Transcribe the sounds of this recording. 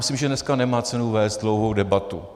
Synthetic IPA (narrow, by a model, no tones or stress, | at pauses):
mɪsimʒɛnɛskanɛmaːt͡sɛnuvɛːst̪̚dlowɦowdɛbat̪ṵ